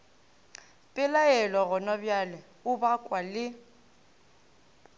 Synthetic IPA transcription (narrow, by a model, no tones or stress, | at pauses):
pʼɪlaɛlɔɣʊnɔbjalɛ | ʊbakʼwalɪ